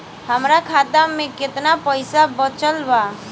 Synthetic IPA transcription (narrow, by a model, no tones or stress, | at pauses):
həmɾakʰat̪amẽket̪napəjsabət͡ʃəlba